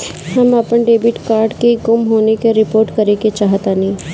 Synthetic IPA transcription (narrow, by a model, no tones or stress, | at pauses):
həmɐpənɖeːbɪʈkaːɾɖkeɡʊmɦoːnekeɾɪpoːɾʈkɐɾeket͡ʃaːɦət̪ãnĩː